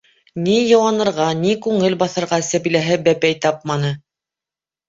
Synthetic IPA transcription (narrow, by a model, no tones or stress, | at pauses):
nijɤ̆wɑnɤ̆ɾʁɑnikʉŋɘlbɑθɤ̆ɾʁɑsæβilæɦɘbæpæjt̪ɑp̚mɑnɤ